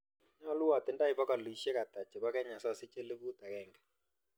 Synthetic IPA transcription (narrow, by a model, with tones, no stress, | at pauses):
na˦lu˦wa˨t̪ɪ˨˦nda˦i˨pɔ˦ka˨li˨ʃɛ˦ka˨t̪a˨t͡ʃɛ˨βa˦kɛ˦ɲa˨sa˦˨sɪ˦t͡ʃɛ˦lɪ˦βu˦t̪a˨ɣɛ˦˨ŋɡɛ˨